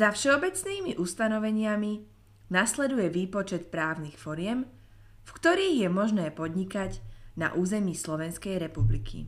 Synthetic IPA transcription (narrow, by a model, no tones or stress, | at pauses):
zafʃɛɔbɛt͡sniːmiʔust̪anɔʋɛɲɪami | naslɛd̪ujɛʋiːpɔt͡ʃɛt̪pɾaːʊnixfɔɾɪɛm | fkt̪ɔɾiːɣjɛmɔʒnɛːpɔd̪ɲikaɟna̰ʔuːzɛmiːslɔʋɛnskɛjɾɛpublḭkʰḭ